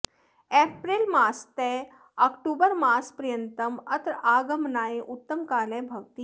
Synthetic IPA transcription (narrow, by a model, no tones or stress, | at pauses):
eːpɾilmaːst̪e | ɐkʈuːbəɾmaːspɾɐjənt̪ɐmɐt̪ɾaːɡɐmnaːeʔʊt̪ːɐmkaːleːbʱɐʋt̪iː